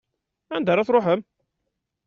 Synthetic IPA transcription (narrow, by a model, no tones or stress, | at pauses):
ænd̪əɾˤɑθɾoħəm